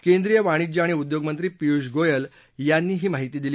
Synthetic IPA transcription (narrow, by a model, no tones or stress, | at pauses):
kẽnd̪ɾijəʋaɽ̃id͡ʑaɽ̃iud̪joɡmənt̪ɾiːpiuɕɡojəl | janːiːɦiːmaɦit̪iːd̪ili